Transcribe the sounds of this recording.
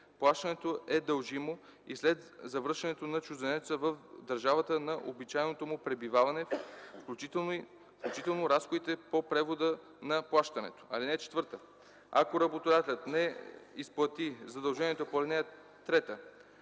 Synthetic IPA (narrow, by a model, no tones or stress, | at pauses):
plˠaʃt̪ənɛt̪oɛd̪əlˠʒimo | islɛt̪zɐvəɾʃɐnɛt̪onɐt͡ʃuzd̪ɛnɛt̪səvəfd̪ɐɾʒavɐt̪ənɐʔobit͡ʃajnot̪omʊpɾɛbivavɐnɛfklʲut͡ʃit̪ɛn | fklʲut͡ʃit̪ɛlˠnoɾasxod̪it̪ɛpopɾɛvod̪ə | nɐplˠaʃt̪ɐnɛ̰t̪o̥ʔɐ̰linɛt͡ʃɛ̥t̪vɤɾt̪ə | a̰koɾɐbot̪od̪at̪ɛlʲət̪nɛisplˠɐt̪izɐd̪ɐlˠʒɛniɛt̪opoɛt̪nɛjɐ | t̪ːɾɛt̪ə